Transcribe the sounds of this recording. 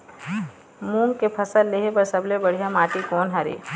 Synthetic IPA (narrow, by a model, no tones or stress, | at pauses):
muːŋkepʰɐsəlːeɦepɐɾsɐblebɐɽ̤ijamaːʈikɔːnɦɐɾḭː